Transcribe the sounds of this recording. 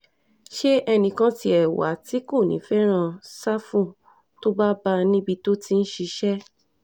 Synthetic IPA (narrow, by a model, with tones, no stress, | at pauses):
ʃe˦ɛ˧nĩ˧kã˦ti˧ɛ˨wa̰˨˦ti˦ko˦˨nḭ̃˨˦fɛ˦ɾ̃ã˧sa˦fũ˦˨ | to˦ba˦ba˧nĩ˦bi˧to˦ti˦n̩˦ʃi˧ʃɛ˦